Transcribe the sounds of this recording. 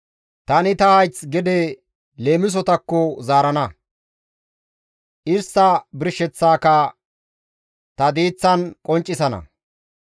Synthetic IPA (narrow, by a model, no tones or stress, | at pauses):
t̪ɐnɪt̪ɐhɐjt͡sɡɛd̪ɛ | le̞ːmɪs̬ɔt̪ɐkːɔzaːɾɐnɐ | ʔɪɾsɐbɪɾʃːɛt͡sːaːkɐ | t̪ɐd̪iːt͡sːɐnkʼɔnt͡ʃʼːɪsɐnɐ̰